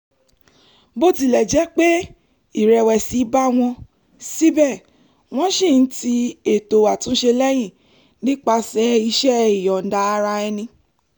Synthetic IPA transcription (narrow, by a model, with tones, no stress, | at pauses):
bo˦ti˧˨lɛ˨d͡ʒɛ˨˦k͡pe˦ | i˦˨ɾɛ˧wɛ˨si˨˦ba˦w̃ɔ̃˧ | si˦bɛ˦˨ | w̃ɔ̃˦ʃĩ˦˨n̩˦ti˧e˨to˨wa˨tũ˨˦ʃe˧lɛ˦j̃ĩ˦˨ | nĩ˦k͡pa˧sɛ˨˦i˧ʃɛ˦i˨jɔ˨n̩˨da˨˦˧ɾa˧ɛ˧nĩ˧